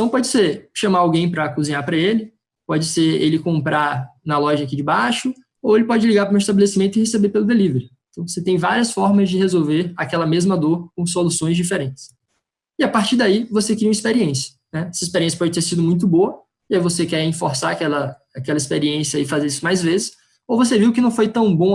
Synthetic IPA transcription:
t̪ɐ̃w̃pɔd͡ʒɪseʃɐ̃maɾawɡẽj̃pɾɐkuzĩɲapɾɐelɪ | pɔd͡ʒɪseɾelɪkõmpɾʔaɾnɐlɔʒɐakid͡ʒɪbaʃʊ | owelɪpɔd͡ʒɪliɡaɾpɾũist̪abelesimẽnt̪ʊɪhesebepelʊd̪eliveɾʊẽt̪ɐ̃w̃voset̪ẽj̃vaɾiɐsfɔɾmɐzd͡ʒɪhezowveɾakɛlɐmezmɐd̪oɾkõs̬olusõj̃zd͡ʒifeɾẽnt͡ʃɪ̥s | ɪapaɾt͡ʃiɾd̪aivosekɾiũm̃ispeɾiẽsjɐ̥ | nɛɛsɐispeɾiẽsjɐpɔd͡ʒɪt̪eɾsid̪ʊmũj̃t̪ʊboɐ | ɪaivosekɛɾĩfoɾsaakɛlɐ | akɛlɐispeɾiẽsjɐɪfazeɾisʊmajzvezɪs | owvoseviwkɪnɐ̃w̃fojt̪ɐ̃w̃bõ

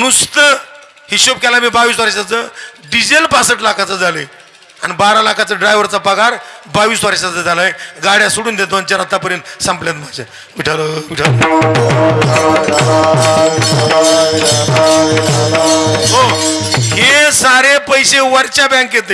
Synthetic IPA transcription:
nust̪ə | hiɕop̚kɛlamiːbaʋiːsʋaɾesat͡səɖid͡ʑelpasəʈlakʰat͡səd͡zʱaləe | anibaɾalakʰat͡səɖɾajʋəɾt͡sapəɡʱaɾbaʋiːsʋaɾeɕad͡zəd͡zʱalaeɡaɽjasuɽuːnd̪et̪ʋənt͡ɕaɾat̪apəɾensãmpljat̪mad͡ʑa̰ | ʋiʈʰaləʋiʈʰalə | ɦo | ɦesaɾepəjseʋəɾt͡ɕabɛ̃ŋkːjet̪̬e

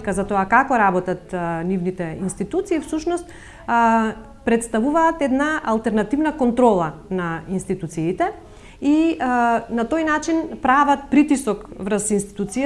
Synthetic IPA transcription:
kazat̪ɔakakɔɾabɔt̪at̪nivnit̪ɛinst̪it̪ut̪siːfsuʃnɔst̪ | pɾɛt̪st̪avuvaːt̪ɛd̪naalˠt̪ɛɾnat̪ivnakɔnt̪ɾɔlˠanainst̪it̪ut̪siːt̪ɛ | i | nat̪ojnat͡ʃinpɾavat̪̚pɾit̪isɔkvrsinst̪i̥t̪ut̪sija

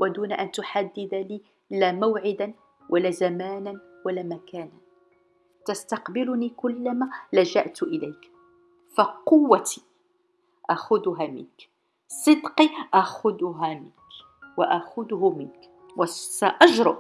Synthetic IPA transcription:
wʔad̪uːnaʔant̪ʊħad̪ːɪd̪aliː | laːmawʕɪd̪an | wʔalːaːzamaːnan | walaːmakaːnan | t̪ast̪ɑqbɪlʊniːkʊlːamaːlaʒa̰ʔt̪ʔɪlajk | faqʊwːat̪i | ʔaxʊd̪ʊɦaːmɪ̰nk | sˤɨd̪qiʔaxʊd̪ʊɦaːmɪnk | waʔaxʊd̪ʊɦʊmɪnk | wasaʔɑʒɾʊʔ

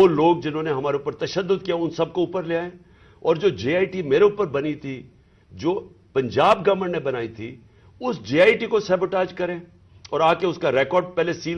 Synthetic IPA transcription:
oloːɡ̚d͡ʒɪnɦõːneɦɐmaːɾeuːpəɾt̪ɐʃəd̪ːʊd̪kijaʊnsɐb̚kouːpəɾleaːẽː | ɔːɾd͡ʒoːd͡ʒeːaːiʈimeːɾeuːpəɾbɐnit̪ʰi | d͡ʒoː | pɐ̃ɲd͡ʒaːbɡɐʋəɳnebɐnaːit̪ʰi | ʊsd͡ʒeːaːiʈikosɛːboʈaːd͡ʒkɐɾẽː | ɔːɾaːkeʊskaɾɛːkɔːɾɖ̚pɛːlesiːl

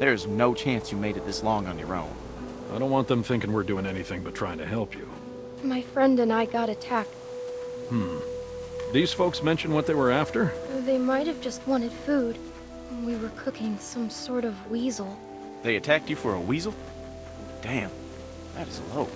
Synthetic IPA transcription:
ðə˞ɨznoʊt͡ʃʰæ̃nsjɨmeɪɾɨt̪̚ðɪslɔ̃ŋə̃njə̰˞õ̰ʊ̃n | aɪdɾõʊ̃nʔwɑ̃nðɨ̃mθɪ̃ŋkɪ̃ŋwɪɹdʉɪ̃ŋɛniθɪ̃ŋbʌtʰɹ̥aɪɪ̃ŋtʰɨɦɛlˠpʰjʉ̰ | maɪfɹɛ̃ndɨ̃naɪɡɑɾɨtʰæk̚t | mm̩ | d̥ɨiɨz̥foʊksmɛ̃nʃɨ̃nwʌt̪̚ðeɪwə˞æftə˞ðeɪmaɪt̚hɨvd͡ʒʌst̚wɑ̃ñɨd̥fud | wiwə˞kʰʊkɪ̃ŋsʌ̃msɔɹɾʌvwizl̩ˠ | ðeɪɨtʰæk̚t͡ʃɨfə˞əwizl̩ˠ | d̥æ̃m | ðɨɾɨzəloʊ

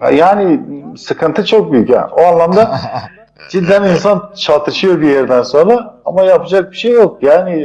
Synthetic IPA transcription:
ha̰jaːnisɯkʰɯnt̪ʰɯt͡ʃʰo̞k̚byjycja̰noanlˠamd̪a | d͡ʒid̪ːæninsant͡ʃʰat̪ʰɯʃɯjo̞ɾbijeɾd̪ænso̞nɾaamajapʰɯd͡ʒak̚biʃejːo̞k̚jaːni

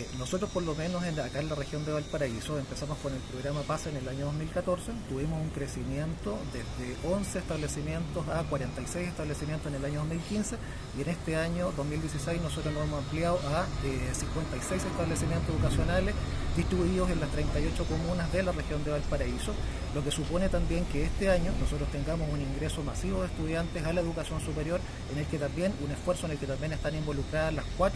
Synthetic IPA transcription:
nosot̪ɾospoɾlome̞nosenakaenlarexjo̞nd̪eβalt̪̚paɾaisoempesamoskone̞lpɾoɣɾamapasaenelaɲoðozmilkat̪oɾset̪uβimosuŋkɾesimje̞nt̪od̪ezðeʔo̞nseːht̪aβlesimje̞nt̪osakwaɾent̪ajsejseht̪aβlesimjent̪osenelaɲoð̞oɦmilkinse | ienest̪eaɲoðozmild̪jes̬isejznosot̪ɾonoemosampljaðoʔaesiŋkwent̪ajsejseht̪aβlesimjent̪oseukasjo̞nales | ðiht̪ɾiβuiðosenlast̪ɾejnt̪ajo̞t͡ʃokomunazðelarexjo̞nd̪eβalt̪paɾaiso | lokesupo̞net̪ambje̞ŋkeest̪eaɲonosot̪ɾost̪e̞ŋɡamosuniŋɡɾesomasiβoðeht̪uðjant̪esalaeðukasjo̞nsupeɾjoɾ | ene̞lket̪ambje̞nunefweɾsoene̞lket̪ambje̞nest̪animbo̞lukɾaðalaskwa

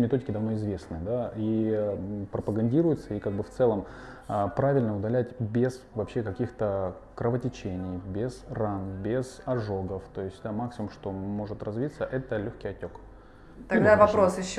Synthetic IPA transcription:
mʲɪt̪o̞dʲɪkʲɪd̪ɐvno̞ɪzvʲe̞snɨəd̪ai | pɾəpəɡɐnʲdʲiɾʊjɪt̪səikaɡ̚bɨft̪sɛlˠəm | əpɾavʲɪlʲnəʊd̪ɐlʲætʲbʲez̥vɐpɕːe̞kɐkʲixt̪ə | kɾəvətʲɪt͡ɕenʲɪjbʲɪz̥ranbʲez̥ɐʐo̞ɡəft̪o̞ɪsʲtʲd̪amaksʲɪmʊmʂt̪o̞mo̞ʐɨt̪rɐzvʲit̪səʔɛt̪əlʲoçʲkʲɪjɐtʲo̞k | t̪ɐɡd̪avɐpɾosjɪɕː

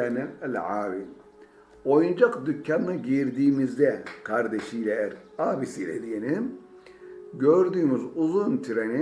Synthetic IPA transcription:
ɛnɛælʲʕaːɾi | ojund͡ʒakd̪ycʰːanːaɟiɾd̪iːmizd̪ɛkʰaɾd̪eʃijlʲɛæɾaːbisilʲḛd̪ijeni | ɟøɾd̪yːmyzuzunt̪ʰyɾeni

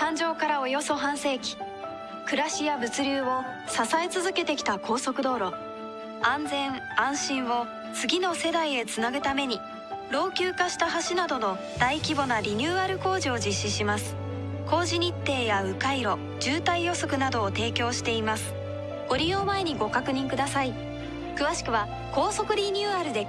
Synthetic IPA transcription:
t̪ãɲ̟d͡ʑo̞ːkaɾao̞jo̞so̞ɦãɰ̃se̞ːkʲi̥ | kɯ̟ɾaɕijabɯ̟t͡sɨɾʲɨːo̞ | sasaet͡sɨzɨke̞t̪e̞kʲi̥t̪ako̞ːso̞kɯ̟d̪o̞ːɾo̞ | ãnd͡zẽ̞ɰ | ãɰ̃ɕĩɰ̃βo̞ | t͡sɨɡʲino̞se̞d̪aie̞t͡sɨnaɡɯt̪ame̞ɲ̟i | ɾo̞ːkʲɨːkaɕi̥t̪aɦaɕinad̪o̞no̞ | d̪̥aikʲibo̞naɾʲiɲ̟ʲɨːaɾɯ̟ko̞ːʑio̞d͡ʑiɕːiɕimasɨ̥ | ko̞ːʑiɲ̟it̪ːe̞ːjaɯ̟kaiɾo̞ | d͡ʑɨːt̪aijo̞so̞kɯ̟nad̪o̞ːt̪e̞ːkʲo̞ːɕi̥t̪e̞imasɨ̥ | ɡ̥o̞ɾʲijo̞ːmaeɲ̟iɡo̞kakɯ̟ɲ̟ĩŋkɯd̪asai | kɯ̟βaɕi̥kɯ̟βa | ko̞ːso̞kɯ̟ɾʲiɲʲɨːaɾɯ̟d̪e̞

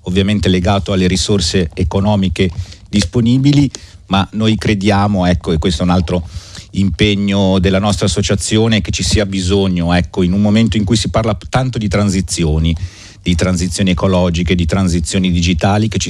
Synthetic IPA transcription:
ovːjament̪eleɡaːt̪oalːeɾisorseːkonɔːmiked̪isponiːbili | manojkɾed̪jaːmoɛkːoekwest̪oɛunalt̪ɾoimpeɲːod̪elːanɔst̪ɾasːot͡ʃat̪sːjoːneket͡ʃisiːabizoɲːoɛkːoinumːoment̪oiŋkujsiparlat̪ant̪od̪it̪ɾanzit̪sːjoːni | d̪̥it̪ɾanzit̪sjoːniekolɔːd͡ʒiked̪it̪ɾanzit̪sːjoːnid̪id͡ʒit̪aːliket͡ʃi

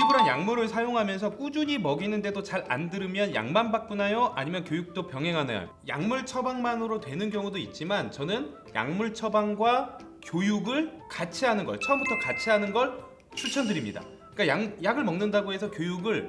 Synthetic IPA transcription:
ibuɾanjaŋmuɾɯɭsʰajoŋɦamjʌnsʰʌk͈ud͡ʑuɲimʌɡinɯnde̞dot͡ɕaɾa̰ndɯɾɯmjʌnja̰ŋmanbak̚p͈unajoʔa̰ɲimjʌnkjojuk̚t͈opjʌŋɦe̞ŋɦana̰j̰jo̰ja̰ŋmuɭt͡ɕʰʌbaŋmanɯɾotwe̞nɯnɡjʌŋudoit̚t͡ɕ͈imant͡ɕʌnɯn | ja̰ŋmuɭt͡ɕʰʌbaŋɡwa | kjojuɡɯɭkat͡ɕʰiɦanɯnɡʌ̰t͡ɕʰʌʌmbutʰʌkat͡ɕʰiɦanɯnɡʌɭ | t͡ɕʰut͡ɕʰʌndɯɾimɲida̰ | k͈ajaŋjaɡɯɭmʌŋnɯndaɡoɦe̞sʰʌkjojuɡɯɭ

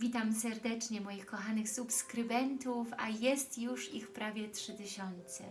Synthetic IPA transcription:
vʲit̪amsɛɾd̪ɛt͡ʂɲɛmɔjixkɔxanɘxsupskɾɘbɛnt̪ufajɛst̪juʂixpɾavʲjɛtʂɘt̪ɘɕɔnt̪sɛ̰

